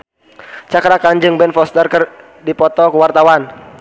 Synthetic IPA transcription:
t͡ʃakɾakand͡ʒɨŋbɛnfɔst̪ərkər | dipɔt̪ɔkuwart̪awan

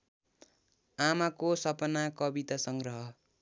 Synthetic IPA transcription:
amakosʌpʌnakʌbit̪asʌŋɡrʌɦʌ

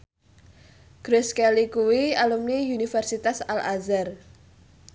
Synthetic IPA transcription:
ɡ̥ɾʊskɛlikuwialumniunifɛrsit̪asalʔazar

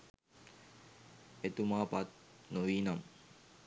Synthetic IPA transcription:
et̪umaːpɐt̪̚noʋiːnɐm

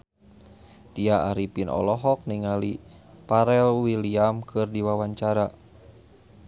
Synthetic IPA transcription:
t̪iaaɾipinɔ̰lɔɦɔk̚niŋalipaɾɛlwiliamkʰɨrdiwawaɲt͡ʃaɾa

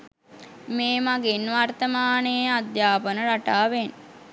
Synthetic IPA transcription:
meːmaɡinʋart̪əmaːnejad̪jaːpənəɾaʈaːʋen

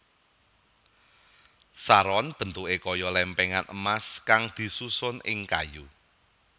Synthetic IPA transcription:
saɾɔnb̥ə̤nt̪uʔekɔjɔlɛmpɛŋanə̰maskaŋd̪̥i̤susʊnɪ̰ŋka̰ju

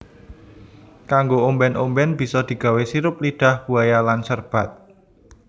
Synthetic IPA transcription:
kaŋɡoombɛnombɛnb̥i̤sɔd̪̥i̤ɡ̥ä̤wesiɾʊp̚liɖ̥a̤hbuajalansərb̥a̤t̪̚

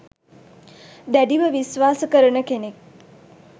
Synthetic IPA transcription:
d̪æɖiʋəʋisʋaːsəkəɾənəkenek̚

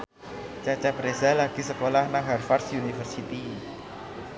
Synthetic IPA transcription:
t͡ʃat͡ʃapɾesalaɡ̥isəkolahnaɦarfarsjunifərsit̪i

